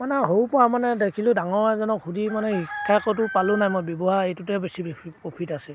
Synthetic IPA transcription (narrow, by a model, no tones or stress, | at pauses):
manɛɦowpɔamanɛdekʰilʊ̃daŋɔɹɛzɔnɔkʰudimanɛhikʰːakɔtʊpalʊnajmɔjbjɔbɔɦaejtutɛbesibpɹopʰitasɛ